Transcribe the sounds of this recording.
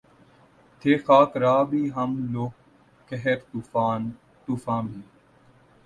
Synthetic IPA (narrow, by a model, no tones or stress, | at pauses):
t̪ʰeːxaːt̪ɾaːbʱiːɦəmloːkː | əɦeɾt̪uːfaːn | t̪uːfãːbʱiː